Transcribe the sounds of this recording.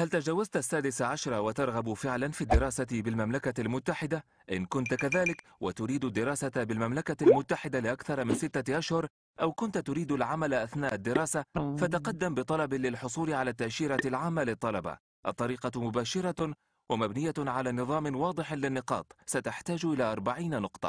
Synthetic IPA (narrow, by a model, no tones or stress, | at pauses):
halt̪ad͡ʒawːazt̪ʔasːaːd̪ɪsaʕaʃɾˤɑwat̪ɑɾˤɣabfɪʕlanfiːd̪ːɪɾˤɑːsabɪlmamlakalmʊt̪ːaħɪd̪a | ʔɪnkʊnt̪kaðaːlɪk | wat̪ʊɾiːd̪ʊd̪ːɪɾˤɑːsabɪlmamlakalmʊt̪ːaħɪd̪alɪʔakθɑɾˤɑmɪnsɪt̪ːaʔaʃhʊɾ | ʔawkʊnt̪t̪ʊɾiːd̪alʕamalʔaθnaːʔad̪ːɪɾɑːsafat̪aqɑd̪ːambɨt̪ˤɑlɑblɪlħʊsˤuːlɪʕalaːt̪ːaʔʃiːɾalʕaːmːalɪt̪ˤːɑlɑba̰ | ʔɑt̪ˤːɑɾiːqɑmʊbaːʃɪɾˤɑ | wamabnɪjːaʕalaːnɨðˤɑːmɪnwɑːd̪ˤɨħlɪnːɨqɑ̰ːt̪ˤsat̪aħt̪aːd͡ʒʔɪlaːʔɑɾˤbaʕiːnanʊqt̪ˤɑ̥̰